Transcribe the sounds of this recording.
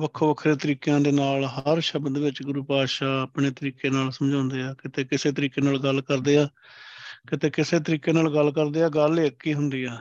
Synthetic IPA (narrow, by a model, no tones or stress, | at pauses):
ʋəkʰːoːʋəkʰɾeːt̪əɾiːkjãːd̪eːnaːlɦəɾʃəbəd̪ʋɪt͡ʃɡʊɾuːpaːʃaːəːpɳeːt̪əɾiːkeːnaːlsəmd͡ʒãːnd̪eːaːkɪt̪eːkɪseːt̪̬əɾiːkeːnaːlɡəlkəɾd̪eːaː | kɪt̪eːkɪseːt̪̬əɾiːkeːnaːlɡəlkəɾd̪eːaːɡəleːəkːiːɦʊnd̪iːɛː